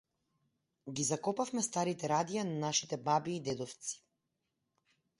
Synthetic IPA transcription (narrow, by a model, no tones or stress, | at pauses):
ɡizakɔpafmɛst̪aɾit̪ɛɾad̪ijananaʃit̪ɛbabiːd̪ɛd̪ɔft̪si̥